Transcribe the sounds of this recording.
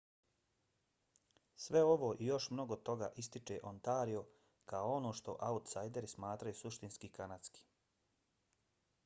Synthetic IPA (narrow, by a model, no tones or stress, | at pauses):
sʋe̞o̞ʋo̞ːʔijo̞ʃmno̞ɡot̪o̞ɡa̰ːʔist̪it͡ʃeʔont̪aːɾio̞ | kaoo̞no̞ːʃt̪o̞̰ʔaut̪sajd̪e̞ɾismaːt̪ɾajusuʃt̪inskikanat̪ski̥